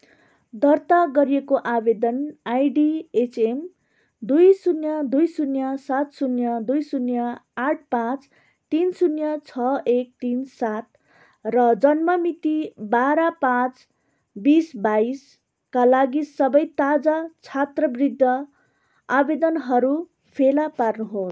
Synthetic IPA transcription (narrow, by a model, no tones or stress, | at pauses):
d̪ʌrt̪aɡʌɾijekoʔabed̪ʌnajɖiet͡sʰem | d̪ujsunjʌd̪ujsunjʌsat̪sunjʌd̪ujsunjʌaʈ̚ʰpãt͡s | t̪insunjʌt͡sʰʌek̚t̪insat̪̚ | rʌd͡zʌnmʌmit̪ibaɾapãt͡s | bisbais | kalaɡisʌbʌjt̪ad͡zat͡sʰat̪rʌbrid̪ʱːʌ | abed̪ʌnɦʌɾu | pʰelaparnuɦos